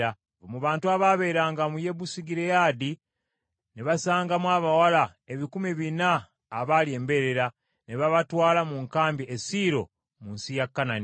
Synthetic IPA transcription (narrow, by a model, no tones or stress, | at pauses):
a | βomuβaːntuaβaβe̞ːɾaːŋɡamuje̞βusiɡiɾejaːdi | neβasaːŋɡamwaːβawalaeβikumiβinaː | βalie̞ːmbe̞ɾe̞ɾa | neβaβatwaːlamuŋkaːmbiʔesiɾo̞̰ | munsijakːanani